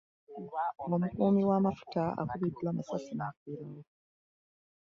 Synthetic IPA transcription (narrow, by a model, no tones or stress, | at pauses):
o̞mukuːmiwamafu̥taa̰kuβidulamasasinakiɾawo